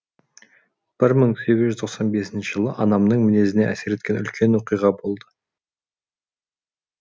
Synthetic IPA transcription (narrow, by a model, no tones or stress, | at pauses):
b̥ɪɾməɴse̞ɡʲɪzʒʏzt̪ʰo̞qsɑnbe̞sɪnʃɪʒəlˠə̰ʔɑnɑmnəɴmɪne̞zɪne̞ʔæse̞ɾe̞t̪kʲe̞nʏlkʲʰe̞nwoqijʁɑbo̞lˠd̪ə